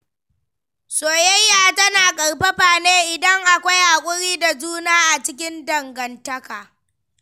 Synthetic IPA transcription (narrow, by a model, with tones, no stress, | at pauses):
soː˨jɐ˦jːaː˨tɐ˦naː˨kʼɐ˨ɽɸɐ˦ɸaː˨neː˦ʔɪ˨dɐ˦ŋʔa˨kʷa˦jʔa˨kʷʼʊ˦ɽiː˦da˨d͡ʒuː˦naː˦ʔa˨t͡ʃɪ˦kʲɪ˦ndɐ˨ŋɡɐ˨ntɐ˦kaː˨